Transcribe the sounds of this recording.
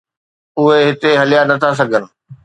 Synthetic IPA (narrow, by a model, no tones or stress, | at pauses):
ʊɦeɦɪt̪eɦɐlijanɐt̪ʰas̬ɐɡʱən̆